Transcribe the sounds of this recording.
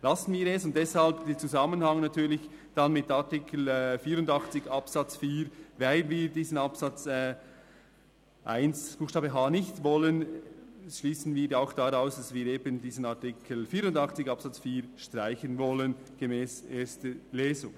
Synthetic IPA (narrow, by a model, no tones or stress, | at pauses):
lɑsən̩viːɾɛsʊnt̚d̥ɛshalbdet͡suzɑmənhɑŋnɑtʰyːlɪç | d̥anmɪtatɪkʰl̩ɛfiːɾʊndɑχt͡sɪçɑpsɑt͡sfiːɾvaɪlviːɾdiːzənɑpsɑt͡sɛː | ʔa̰ɪnsb̥uːxʃtɑːbəɦaːnɪçtvɔlən | ʃliːsən̩viːɾjaʊxd̥aɾaʊsd̥asviːɾeːbəndiːzən̩atɪkʰəl̩fiːɾʊndɑχt͡sɪçɑpsɑt͡sfiːɾʃtʁ̥aɪçənvɔlən | ɡ̥emɛːsʔeːɾstəleːzʊ̰ŋ